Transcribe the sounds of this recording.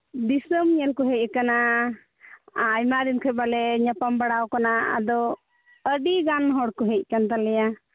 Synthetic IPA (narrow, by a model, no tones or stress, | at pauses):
d̪isəmɲɛlkɔɦɛc̚ˀkana | jmaɾimkʰɛbalɛɲapambaɽawkanaa̰d̪ɔ | əɖiɡanɦɔɽkɔɦɛc̚ˀkant̪alɛja